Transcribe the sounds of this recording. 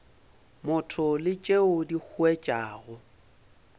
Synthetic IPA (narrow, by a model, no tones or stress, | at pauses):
mʊtʰʊlɪt͡ʃʼeʊdik͡xʰuɛt͡ʃʼaːɣʊ